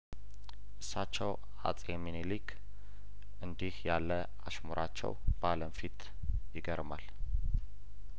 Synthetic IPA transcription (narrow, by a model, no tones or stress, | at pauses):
ʔɨsːat͡ʃːɛw | a̰t͡sʼjɛminelikʰ | ʔɨnd̪ihjalːə | a̰ʃmuɾat͡ʃːɛ̰wb̥aləmfit̪ʰ | jɪɡəɾmal